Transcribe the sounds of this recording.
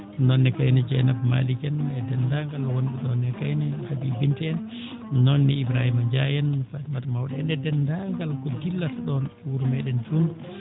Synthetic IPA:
nɔnːɛkajnɛd͡ʒɛ̰nabma̰likɛnɛdɛnːdaŋɡalwonɗɛɗɔnɛkajnɛhabibintɛn | nɔnːiibɾahimad͡ʒajɛnfatmatmawɗɛndɛdɛndaŋɡalkɔdilːatɗɔnwuɾumɛɗɛnd͡ʒum

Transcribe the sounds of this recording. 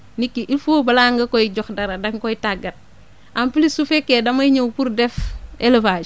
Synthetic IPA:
nikːiʔilfobɐlaŋɡɐkɔjɟɔxdɐɾɐdɐŋkɔjtaɡɐt̚ | ʔampilisufekːedɐmɐjɲowpuɾdɛfelefaːd͡ʒ

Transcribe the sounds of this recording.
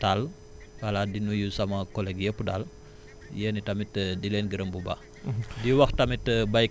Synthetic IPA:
tal | kaladinujusamakolɛkjəpudal | jənitamitədilɛnɡəɾəmbuba̰ | diwaxtamitːəbaik

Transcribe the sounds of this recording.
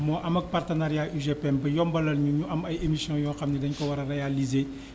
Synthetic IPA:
mɔːʔɐmɐk̚partənaɾijaʔuʒepɛmbɐjɔmbɐlɐlɲuɲuɐmɐjemisijɔ̃jɔ̃ːxɐmnidɐɲkɐwɐɾɐɾejalize

